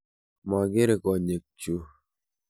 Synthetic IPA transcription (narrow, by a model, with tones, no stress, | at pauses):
ma˨ɡe˦ɾe˨kɔ˨ɲe˨k̚t͡ʃu˦